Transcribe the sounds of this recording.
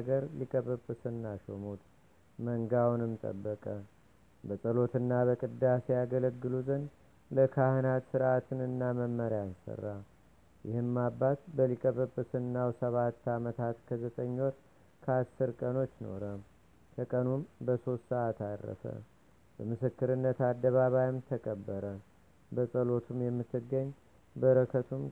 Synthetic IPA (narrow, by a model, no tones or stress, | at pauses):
ɡəɾlikʼəβəbɨsɨnːaʃomut̪ʼ | məŋɡawnɨmt̪ʼə̰bːəkʼə | bəsʼəlo̞t̪ɨnːabəkʼɨd̪ːasejaɡələɡɨluzən | ləkʰahɨnat̪sɨɾʔat̪ʰɨnɨnːaməmːəɾjansə̰rːa | jɪhɨmːabːat̪bəlikʼəβəbːɨsɨnːawsəβat̪ːamət̪ʰat̪kʰəzət̪ʼəɲːwɔɾ | kʰəasːɨɾkʼəno̞t͡ʃːno̞̰ɾə | kʰəkʼənumbəso̞st̪səʔat̪arːə̰sə̰ | bəmɨsɨkːɨɾɨnːət̪ad̪ːəβaβajɪmt̪ʰəkʼəbːəɾə | bəsʼəlo̞t̪ʰumjɛmːɨt̪ːɨɡːəɲː | bəɾəkʰət̪ʰum